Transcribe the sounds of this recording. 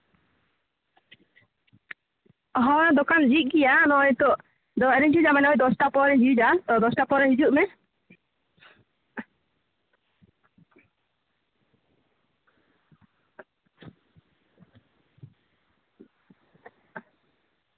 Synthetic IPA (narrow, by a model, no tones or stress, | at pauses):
ɦɔd̪ɔkand͡ʒiʔ̪̚ˀɡijanɔjt̪ɔ | d̪ɔɛɾid͡ʒid͡ʒamanɛɔjd̪ɔsʈapɔɾɛd͡ʒid͡ʒat̪ɔd̪ɔsʈapɔɾɛɦid͡ʒuʔmɛ